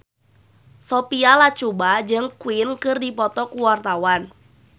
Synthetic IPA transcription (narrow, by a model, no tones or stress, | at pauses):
sɔpialat͡ʃubad͡ʒəŋkwɪnkɨrdipɔt̪ɔkuwart̪awan